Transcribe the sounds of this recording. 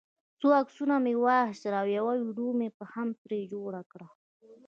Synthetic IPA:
t͡soaksunamewahʃɾawjawawɽumepəhampɾed͡ʒoɽakɽa

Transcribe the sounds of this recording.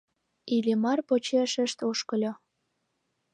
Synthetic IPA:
ilemɑrpot͡ɕeʃəʃt̪oʃkəlʲo

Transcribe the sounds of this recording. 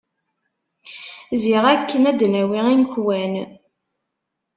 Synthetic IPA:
ziʁækːənæd̪næwiinçwæn

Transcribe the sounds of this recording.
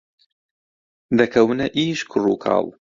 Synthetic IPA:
d̪ɐkʰɐwɨnɐʔiːʃkʰʊruːkʰɑ̰ːlˠ

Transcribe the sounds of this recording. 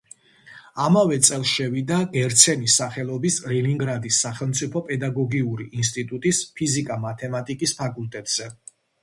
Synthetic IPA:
amavɛt̪sʼɛlˠʃɛvid̪aɡɛɾt̪sʰɛnisaχɛlˠɔbisɾɛniŋɡɾad̪isːaχɛlˠmt̪sʼipʰɔpʼɛd̪aɡɔɡiuɾiʔinst̪ʼit̪ʼut̪ʼispʰizikʼamat̪ʰɛmat̪ʼikʼispʰakʼulˠt̪ʼɛt̪ʼz̥ɛ

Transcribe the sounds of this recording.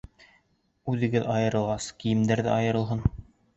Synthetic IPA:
ʉðɘ̆ɡɘðɑjɤ̆ɾɤ̆lˠʁɑskijɘ̆md̪æɾðæ̰ʔɑjɤ̆ɾɤ̆lˠɦɤn

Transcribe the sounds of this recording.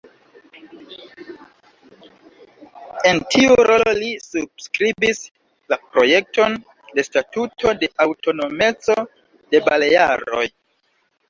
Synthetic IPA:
e̞ntʰiuɾololisubskɾibis | lapɾo̞je̞k̚to̞n | de̞statutʰo̞de̞ʔawto̞no̞me̞t͡so̞ | d̥e̞baleja̰ɾo̞̰j

